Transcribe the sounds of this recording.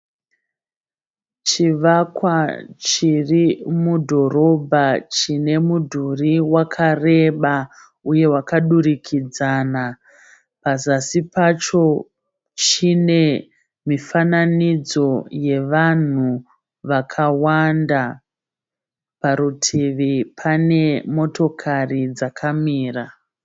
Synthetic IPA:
t͡ʃiʋakwat͡ʃirimudʱo̞ɾo̞bʱat͡ʃine̞mudʱuriwakʰare̞ɓa | uje̞wakaɗurikʰid͡zaːna | pazasipat͡ʃo̞ | t͡ʃine̞ | mifananid͡zo̞je̞ʋan̤u | ʋakʰawanda | paɾutʰiʋipʰane̞mo̞to̞kʰarid͡zakʰamiːra

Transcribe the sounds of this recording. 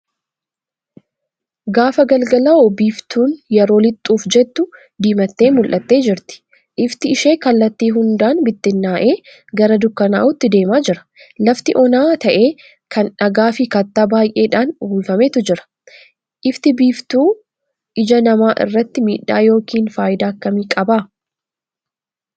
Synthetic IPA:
ɡaːfɐɡɐlɡɐlɐobiːft̪uːnjɛɾo̞ːlɪt̪ʼːuːfd͡ʒɛt̪ːʊ | d̪iːmɐt̪ːe̞ːmʊlʔɐt̪ːe̞ːd͡ʒɪɾt̪ɪ̥ | ʔɪft̪ɪɪʃe̞ːkɐlːɐt̪ːiːɦʊnd̪aːnbɪt̪ːɪnːaːʔe̞ː | ɡɐɾɐd̪ʊkːɐna̰ːʔʊt̪ːɪd̪e̞ːmaːd͡ʒɪɾɐ̥ | lɐft̪ɪʔɔnaːt̪ɐʔe̞ː | kʰɐnᶑɐɡaːfɪkɐt̪ːaːbaːjʔe̞ːᶑaːnuːlfɐmeːt̪ʊd͡ʒɪɾɐ̥ | ʔɪft̪ɪbiːft̪uː | ʔɪd͡ʒɐnɐmaːʔɪ̰rːɐt̪ːɪmiːᶑa̰ːjo̞ːkiːnfaːjɪd̪aːkːɐmiːkʼɐbaː

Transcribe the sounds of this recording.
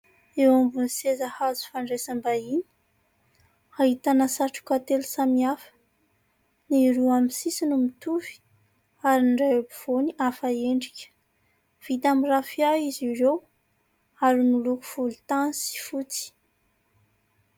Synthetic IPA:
ewumbunisezahazu̥faɳɖ͡ʐesəmbaini̥ | aɦit̪anəsaʈ͡ʂu̥kat̪elusamiafə̥ | niɾuamisisinumit̪uvi̥ | aɾinɖ͡ʐajobiv̥oniʔafaeɳɖ͡ʐikʲə̥ | v̥it̪amirafiaiziɾew | aɾinuluku̥v̥ulut̪anisi̥fut͡si̥

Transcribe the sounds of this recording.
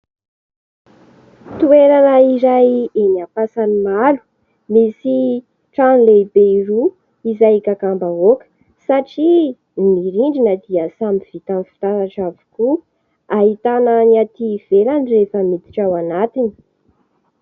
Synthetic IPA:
t̪ueɾanaiɾajenapasanimalu̥ | misi | ʈ͡ʂanleibeiɾu | izajikakambaokə̥ | saʈ͡ʂi | miɾiɳɖ͡ʐinəd̪iəsamiv̥it̪anfi̥t̪aɾaʈ͡ʂavu̥ku | aɦit̪anəniat̪iv̥elanirefəmit̪i̥ʈ͡ʂawanat̪ini̥

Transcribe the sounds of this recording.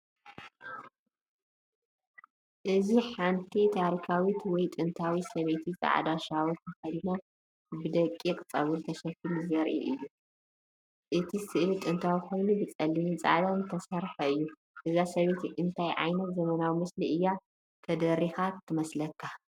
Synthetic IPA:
ʔɨziħant̪ʰit̪ʰaɾikʰawit̪wɔjt̪ʼɨnt̪ʰawisɐβet̪ʰizʼa̰ʕ̰d̪aʃawɔt̪ʰɐxɐd̪ino | bɨd̪ɐkʼːikʼɨt͡sʼːɐ̰βult̪ʰɐʃɐkːɨluzɐɾʔḭʔɨjːu | ʔɨt̪ʰisɨʔlit̪ʼɨnt̪ʰawiko̞jnubɨt͡sʼɐlːinit͡sʼa̰ʕd̪ant̪ʰɐsɐɾħɐɨjːu | ʔɨzasɐβet̪iʔɨnt̪ʰajʕa̰jnɐt̪zɐmɐnawimɨsliʔɨjːa | t̪ʰɐd̪ɐɾixat̪ʰːɨmɐslɐkʰːa

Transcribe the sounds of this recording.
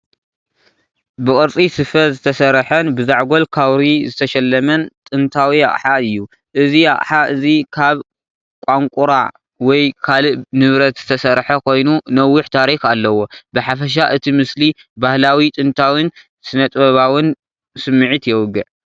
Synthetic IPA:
bɨkʼɨɾt͡sʼisɨfɐzɨt̪ʰɐsɐɾħɐnbɨzaʕɡo̞lkʰawɾizɨt̪ʰɐʃɛlːɐmɐnt̪ʼɨnt̪ʰawija̰ʔʼħaɨjːu | ʔɨzija̰ʔʼħaʔɨzikʰaβ | kʷʼaŋkʼuɾa̰ | wɔjkʰalɨʔnɨβɾɐt̪z̥ɨt̪ʰɐsɐɾħɐkʰo̞jnunɐwːʊħt̪ʰaɾixalːɐwo̞bɨħafɐʃ̬aʔɨt̪ʰimɨsli | bahlawit̪ʼɨnt̪ʰawɨn | sɨnɐt̪ʼβɐβawɨn | sɨmːɨʕit̪jɛwʊɡːɨʕ

